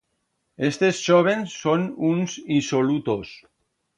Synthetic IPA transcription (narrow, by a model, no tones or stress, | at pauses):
est̪esʒoβ̞ensːonunsisolut̪os